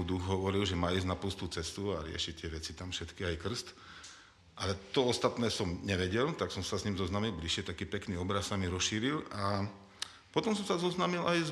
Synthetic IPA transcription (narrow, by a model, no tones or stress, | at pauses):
ud̪uɣɦɔʋɔɾilʒɛmaːiːznapl̩st̪uːt͡sɛst̪uaɾɪɛ̰ʃit̪ɪɛʋɛt͡sit̪amfʃɛt̪kiajkr̩st̪ | ʔalɛt̪ɔɔst̪at̪nɛːsɔmɲɛʋɛɟɛlt̪aksɔmsasɲimzɔznamilbliʃjɛt̪akiːpɛkniːɔbɾassamiɾɔsʃiːɾila | pɔt̪ɔms̬ɔmsazɔznamilajz